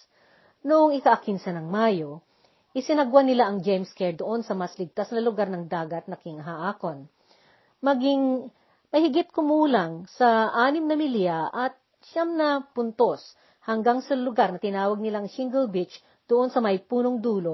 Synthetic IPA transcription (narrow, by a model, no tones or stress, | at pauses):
nʊʔoŋɪkɐʔɐkɪnsɐnɐŋmaːjo̞ | ʔɪsɪnɐɡwanɪlaʔɐŋd͡ʒɛjmskɛɹd̪oʔo̞nsɐmɐslɪɡ̚t̪asnɐlʊɡaɾnɐŋd̪aːɡɐt̪̚nɐkɪŋɐɦaʔaːkon | mɐɡɪŋ | mɐhɪɡɪt̪̚kʊmuːlɐŋsɐʔaːnɪmnɐmɪljaʔɐt̪̚ | ʃamnɐpʊnt̪os | hɐŋɡaŋsɐlʊɡaɾnɐt̪ɪnaːwɐɡ̚nɪlaʔɐŋʃɪŋɡɛlbɪt͡ʃ | d̪̥oʔo̞nsɐmɐjpuːnoŋd̪uːlo